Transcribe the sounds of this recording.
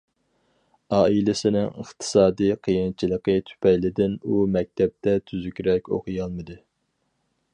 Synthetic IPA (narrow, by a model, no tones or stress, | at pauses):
ɑːilɪsɪnɪŋə̰χt̪ʰɨ̥sɑːd̪ijqʰijint͡ʃʰilˠəqɨt̪ʰy̥pʰɛjlɪd̪ɪnumɛk̚ʲt̪ʰɛp̚t̪ɛt̪ʰyzykʲɾɛkʲo̰qʰɨjɑlˠmɨd̪ɨ